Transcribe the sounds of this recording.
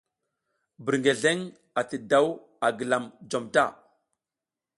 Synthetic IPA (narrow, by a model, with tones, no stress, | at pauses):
bə˨ɾŋɡe˨ɮe˦ŋ | a˨tə˨da˦w | a˨ɡə˨la˨md͡ʒo˨mta̰˦